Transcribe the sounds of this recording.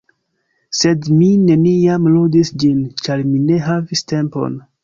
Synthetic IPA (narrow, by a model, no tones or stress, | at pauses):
se̞dmine̞niamludisd͡ʒint͡ʃaɾmine̞ɦaviste̞mpo̞̰n